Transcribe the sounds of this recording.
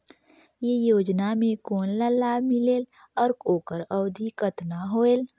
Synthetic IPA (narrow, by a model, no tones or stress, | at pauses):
jejoːd͡ʒnamẽkoːnləlːaːmɪleːl | ɔːɾkoːkəɾɔwd̪ʱikət̪naɦoːeːl